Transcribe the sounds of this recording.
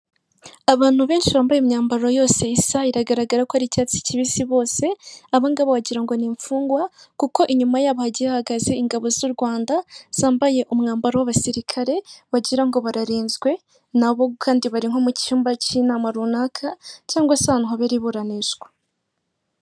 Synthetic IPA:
aβaːn̥huβe̞ːnʃiβaːmbajemɲaːmbaɾo̞jo̞ːse̞isaiɾaɡaɾaɡaɾakohaɾicaːt͡si̥ciβiːsiβo̞ːse̞aβaiŋɡaβowaɟiɾaŋɡo̞niːɱfuːŋɡwakuko̞ʔiɲumajaːβohaɟiahaɡaze̞iŋɡaβo̞zuɾɡwaːndaz̥aːmbaje̞ʔumŋaːmbaɾowaβasiɾikʰaɾe̞βaɟiɾaŋɡo̞βaɾaɾiːnzɡwe̞ | naβo̞kʰaːndiβaɾiŋ̥ho̞muciuːmbacinaːmaɾunaːkʰacaːŋɡwasanuɦaβeɾiβuɾaniʒɡwḁ

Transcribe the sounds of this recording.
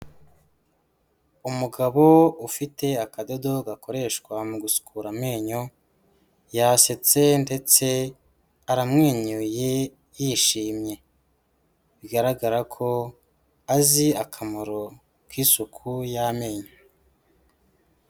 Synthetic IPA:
umuɡaβo̞ufite̞akado̞do̞ɡako̞ɾe̞ːʃkwamuɡusu̥kʰuːɾame̞ːɲo | jaset͡se̞nde̞t͡se̞ | aɾamŋeːɲuje | jiːʃiːmɲe̞ | βiɡaɾaɡaɾakʰo̞ | aziakʰamoɾo | kwisukʰujame̞ːɲo

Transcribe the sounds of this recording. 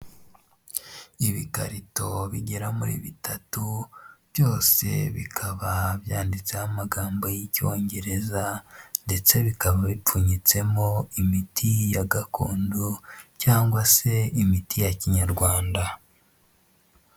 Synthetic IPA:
iβikaɾito̞βiɟeɾamuɾḭːβitʰatuβjo̞ːse̞̰βḭkʰaβaβjaːndit͡sehamaɡaːmbo̞jico̞̰ːɲɟe̞ɾe̞zande̞t͡se̞βikaβaβip͡fuɲit͡se̞mo̞imitʰijaɡakṵːnducaːŋɡwase̞imitijaciɲaɾɡwaːnda

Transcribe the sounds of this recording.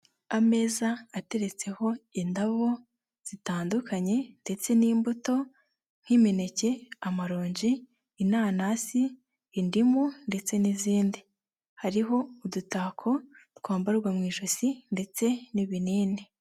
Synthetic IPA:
ame̞ːzaːte̞ɾe̞t͡se̞ho̞indaβo̞ | z̥itaːndukʰaɲe̞nde̞t͡se̞niːmbuto̞ | ŋ̥himine̞ce̞amaɾo̞ːɲɟiː | naːnasiː | ndimunde̞t͡se̞niziːndi | haɾiɦo̞udutakʰo̞tkaːmbaɾɡwamŋiːʃosinde̞t͡se̞niβiniːne

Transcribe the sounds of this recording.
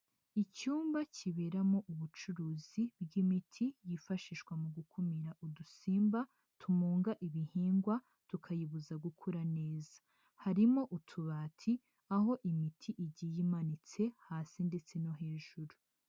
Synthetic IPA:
icuːmbaciβe̞ɾamo̞ʔuβut͡ʃuɾuːzibɡimitʰijifaʃiːʃkwamuɡukʰumiɾaʔudusiːmba | tʰumuːŋɡaʔiβihiːŋɡwa | tukʰajiβuzaɡukʰuɾane̞ːzḁ | haɾimo̞ʔutʰuβaːtʰi | aɦo̞ʔimitʰiʔiɟijimanit͡se̞haːsinde̞t͡se̞no̞ɦe̞ːʒuɾu

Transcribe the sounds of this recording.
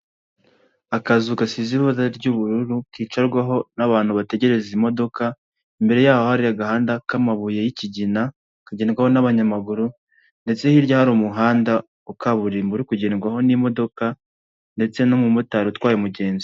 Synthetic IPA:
akazukasiziβozaɾɟuβuɾuɾukiːt͡ʃaɾɡwaɦo̞naβaːn̥huβate̞ɟe̞ɾe̞zimo̞do̞ka | imbe̞ɾe̞jaːhohaɾiaɡahaːndakamaβuje̞jiciɟina | kaɟeːnɡwaho̞naβaɲamaɡuɾu | nde̞t͡se̞hiɾjahaɾumuɦaːnda | ukaβuɾimbuɾikuɟe̞ːnɡwaɦo̞nimo̞do̞ka | nde̞t͡se̞nomumutaɾutwaːjomuɟe̞ːnzi

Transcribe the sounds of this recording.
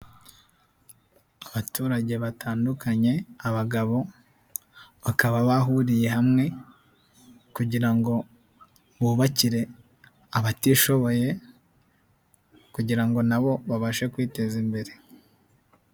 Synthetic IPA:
aβatuːɾaɟe̞βatʰaːndukʰaɲe̞aβaɡaβo̞ | βakaβaβaɦuɾije̞ɦamŋe̞ | kuɟiɾaŋɡo̞ | βuβaciɾe̞ | aβatiʃo̞βo̞je̞ | kuɟiɾaŋɡo̞naβo̞βaβaʃe̞kwiːte̞zimbe̞ɾe

